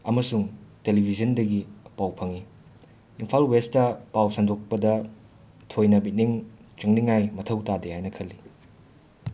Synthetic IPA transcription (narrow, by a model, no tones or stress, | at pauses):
ɐmɐsuŋtelibʱizɐndɐɡipawpʰɐŋi | impʰalwestɐpawsandok̚pɐdɐ | tʰojnɐbit̚niŋt͡ʃɐŋniŋajmɐtʰɐwtadehajnɐkʰɐlːi